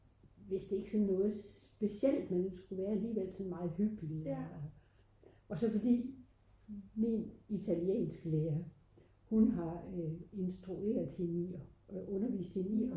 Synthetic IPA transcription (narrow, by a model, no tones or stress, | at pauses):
ʋe̝sd̥e̝e̝ɡ̥sɒ̽nːɔ̽ːð̞̩ˠssb̥e̝siel̰d̥menesɡ̥uʋæːɐæliːʋel̰sɒ̽nmɑ̈ːð̞̩ˠhyb̥il | ɒ̽sɒ̽fɒ̽d̥ḭː | minit͡sʰæljḛːnsɡ̥əleːɐ | hunɦɑ̈e̝nsd̥ʁue̝̰ːɐðˠhe̝niɒʔɔ̽nɐʋḭːsd̥he̝ni